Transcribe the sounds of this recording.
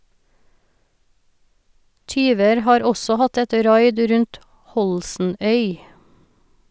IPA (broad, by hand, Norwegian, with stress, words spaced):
ˈtyːʋəɾ ˈhɑːɾ ˈɔsɔ ˈhɑt ˈɛt ˈɾɑɪd ˈɾʉnt ˈhɔlsn̩ˌœʏ